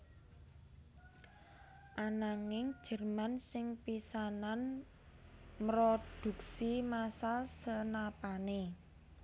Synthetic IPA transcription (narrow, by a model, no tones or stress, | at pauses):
ʔanaŋɪŋ̥ʒ̥ə̤rmansɪŋpisanan | mɾod̪̥ṳksimasalsənapane